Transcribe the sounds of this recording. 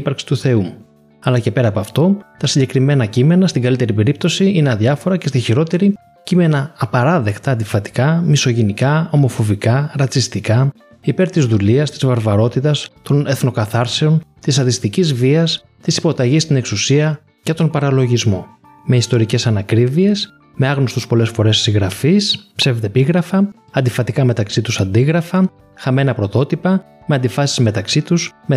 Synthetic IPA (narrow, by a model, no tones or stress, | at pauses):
pɐɾksi̥t̪uθe̞umu | ɐlɐcepe̞ɾɐːpɐft̪o̞t̪ɐsiɲɟe̞kɾime̞nɐcime̞nɐst̪iŋɡɐlit̪e̞ɾipe̞ɾip̚t̪o̞siineɐðʝɐfo̞ɾɐce̞st̪içiɾo̞t̪e̞ɾi | cime̞nɐːpɐɾɐðe̞kt̪ɐːnd̪ifɐt̪i̥kɐmiso̞ʝenikɐo̞mo̞fo̞vikɐɾɐt͡sist̪ikɐ | ipe̞ɾt̪izðuliɐst̪i̥zvɐɾvɐɾo̞t̪it̪ɐst̪o̞ne̞θno̞kɐθɐɾse̞o̞nt̪isɐt̪ist̪icizviɐs | t̪isi̥po̞t̪ɐʝist̪ine̞ksusiɐ | cet̪o̞mpɐɾɐlo̞ʝizmo̞ | me̞ist̪o̞ɾice̞sɐnɐkɾivie̞s | me̞ɐɣnost̪uspo̞le̞sfo̞ɾe̞ssiɣɾɐfispse̞vet̪epiɣɾɐfɐ | ɐnd̪ifɐt̪ikɐme̞t̪ɐksit̪usɐnd̪iɣɾɐfɐ | xɐme̞nɐpɾo̞t̪o̞t̪ipɐ | me̞ɐnd̪ifɐsi̥zme̞t̪ɐksit̪usme